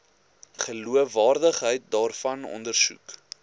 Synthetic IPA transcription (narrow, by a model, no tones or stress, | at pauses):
χəluəfɑːrdəχɦəjt̚dɑːrfɐnɔ̰ndərsṵk